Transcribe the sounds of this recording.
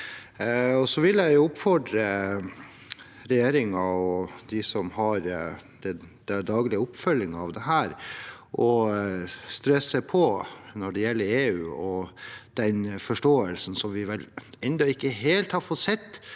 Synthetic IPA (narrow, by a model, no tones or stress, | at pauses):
ɔsɔʋɪlæɪjʊʊpfɔɖɾə | ɾɛjeːɾɪŋɑɔd̪ɪsɔmhɑɾd̪̥ɛd̪̥æd̪ɑːɡlɪəʊpːfœlːɪŋɑʋd̪ɛɦæːɾ | ʔɔ | st̪ɾɛsəpʰɔnɔɖɛjɛlːəɾeːʉːɔd̪̥ɛnfɔʂʈoːəlsn̩sɔmʋɪʋɛlɛnd̪ɔɪkːəɦeːlt̪hɑɾfɔt̪sɛt̪ː